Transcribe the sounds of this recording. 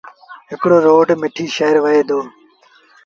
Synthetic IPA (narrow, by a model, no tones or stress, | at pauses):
ɦɪkɽoːɾoːɖmɪʈʰiːʃeːəɾʋəɦeːd̪oː